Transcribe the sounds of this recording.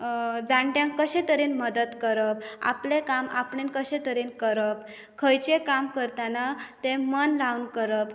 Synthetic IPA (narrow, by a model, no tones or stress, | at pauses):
d͡zaɳʈjãŋkəɕẽt̪əɾinməd̪ət̪kəɾəp̚a̰plekamapɳenkəɕẽt̪əɾiːnkəɾəp̚ | kʰəjt͡ɕekamkəɾt̪anat̪ẽmənlaunkəɾəp